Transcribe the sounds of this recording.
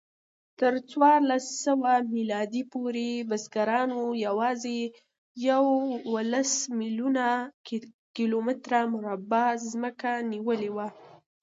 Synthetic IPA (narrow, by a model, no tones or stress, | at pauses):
t̪əɾt͡swɑɾlasːəwamilɑd̪ipoɾebasɡaɾɑnojawɑze | jawəlasmiluna | kilomɪt̪ɾamʊɾabazməkaniwəlewa